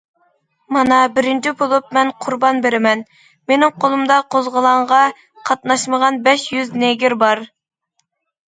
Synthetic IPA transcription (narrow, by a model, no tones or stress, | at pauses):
mɑnɑbɪɾɪnt͡ʃʰibolˠup̚mɛnqʰʊɾbɑnbeɾɪmɛn | menɪŋqʰolˠumd̪ɑqʰozʁəlˠɑɴʁɑ | qʰɑt̪̚nɑʃməʁɑnbɛʃjyzneɡʲɪɾbɑɾ